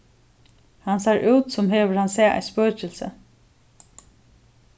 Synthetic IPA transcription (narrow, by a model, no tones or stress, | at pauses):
hansaɹʔʉːt̪sʊmɦeːʋəɹhansɛːʔa̰jspœːt͡ʃɪlsə